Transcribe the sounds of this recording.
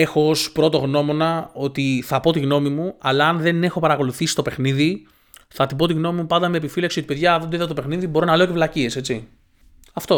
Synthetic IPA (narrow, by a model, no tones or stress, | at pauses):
e̞xoospɾo̞t̪o̞ɣno̞mo̞nɐo̞t̪iθɐpo̞t̪iɣno̞mimuɐlɐːnðe̞ne̞xo̞pɐɾɐko̞luθisi̥st̪o̞pe̞xniði | θɐt̪ip̬o̞t̪iɣno̞mimupɐnd̪ɐme̞ːpifilɐksiot̪ipeðʝɐðend̪oiðɐt̪ope̞xniðibo̞ɾo̞nɐle̞ocevlɐcie̞se̞t͡si | ɐft̪o̞